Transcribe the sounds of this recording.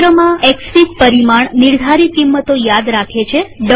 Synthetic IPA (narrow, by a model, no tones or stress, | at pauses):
ɾəmãɛkspikpəɾimaɳniɾd̪ʱaɾikimːət̪ojad̪ɾakʰet͡ʃʰeɖ